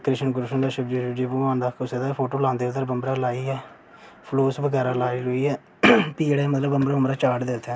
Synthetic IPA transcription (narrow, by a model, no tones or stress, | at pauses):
kɾɪʃənkʊɾʃənd̪aːʃəbd͡ʒud͡ʒiːbuãːnd̪aːkʰʊsed̪apʰoːʈoːlãːnd̪eːət̪əɾbəmbɾaːlaːiːɛː | pʰloːsbəɡɛːɾaːlaːiːlʊiːɛː | piːɽɛːmət̪ləbəmbɾaːʊmɾaːt͡ʃaːʈd̪eːt̪ʰɛ̃ː